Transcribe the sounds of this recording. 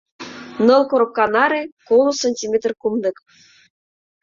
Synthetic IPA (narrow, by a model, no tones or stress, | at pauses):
nɤ̆lˠkoɾokːɑnɑɾekolˠosənʲtʲimʲet̪rkumnɤ̆k